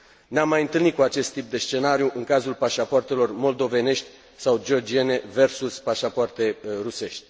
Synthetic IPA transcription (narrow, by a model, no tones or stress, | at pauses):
neamːajɨnt̪ɨlnit̪̚kuat͡ʃe̞st̪ːip̚d̪e̞st͡ʃe̞naɾjuʔɨŋkazulpaʃapoart̪e̞lo̞rmo̞ld̪o̞ve̞ne̞ʃt̪ʲ | sawd͡ʒio̞rd͡ʒiene̞ve̞rsuspaʃapoart̪e̞ruse̞ʃt̪ʲ